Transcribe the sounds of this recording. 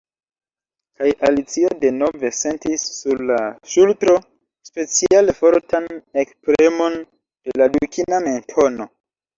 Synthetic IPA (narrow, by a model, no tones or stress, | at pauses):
kajʔalit͡siode̞no̞ve̞se̞ntisːuɾlaʃultɾo̞ | spe̞t͡sialefo̞ɾtanekspɾemo̞n | d̥e̞ladukiname̞ntʰo̞no̞